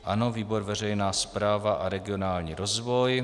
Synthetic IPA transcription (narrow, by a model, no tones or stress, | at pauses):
ʔano̞viːbo̞ɾvɛr̝ɛjnaːspɾaːvaʔaɾɛɡɪo̞naːlɲiːɾo̞zvo̞j